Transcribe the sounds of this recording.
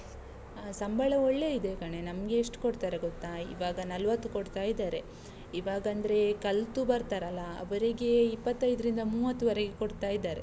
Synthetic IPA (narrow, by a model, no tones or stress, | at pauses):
sɐmbɐɭɐoɭːe̞id̪ekɐɳe̞nɐmɡe̞ːʂʈkoɽt̪aːɾeɡot̪ːaḭʋaːɡɐnɐlʋɐt̪ːukoɽt̪aːjid̪aːɾe̞ | iʋaːɡɐɐnd̪ɐɾe̞kɐlt̪ubɐɾt̪aːɾɐlːɐɐ̰ʋɐɾiɡe̞ipːɐt̪ːɐjd̪ɐɾind̪ɐmuːʋɐt̪ːuʋɐɾeɡe̞koɽt̪aːjid̪aːɾe̞